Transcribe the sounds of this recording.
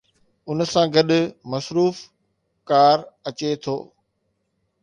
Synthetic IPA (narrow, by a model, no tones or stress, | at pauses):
ʊnsãɡɐɗmɐsɾuːf | kaːɾɐt͡ɕet̪ʰo̰ː